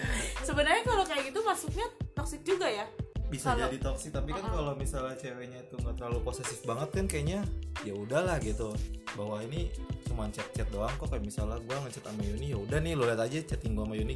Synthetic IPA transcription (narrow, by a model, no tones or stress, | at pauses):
səbənərɲakalokajaɡit̪umasuk̚ɲat̪ɔksɪk̚d͡ʒuɡajabisad͡ʒdit̪ɔksɪk̚t̪apikankalomisalat͡ʃɛwɛɲait̪uŋɡat̪ərlaluposɛsɪk̚baŋət̪̚kankajaʔɲajaudahlahɡit̪ubawainisumaɲt͡ʃɛt̪̚t͡ʃɛt̪̚doaŋkɔkajamisalaɡuaŋət͡ʃɛt̪amajunijaudahnɪhloliat̪ad͡ʒat͡ʃɛt̪iŋɡuamajunɪ